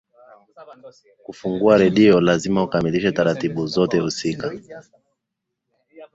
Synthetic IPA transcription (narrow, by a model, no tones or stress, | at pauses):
kufuŋɡuaɾɛɗiɔlazimaukamiliʃɛtaɾatiɓuzɔtɛhusika